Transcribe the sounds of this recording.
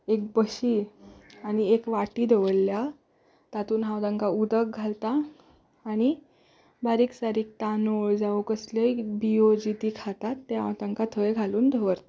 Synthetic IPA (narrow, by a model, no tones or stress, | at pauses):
ek̚bəɕiːañiekʋaʈiːd̪ʱeʋəlːja | t̪at̪uːnɦãwt̪aŋkaud̪ək̚ɡʱalt̪aː | ɽ̃i | baɾiːksaɾiːk̚t̪anoɭd͡zaʋukəsləbiod͡ʑit̪iːkʰat̪at̪ːeɦã̰wt̪ãŋkat̪ʰəjɡʱaluːnd̪ʱəʋəɾt̪a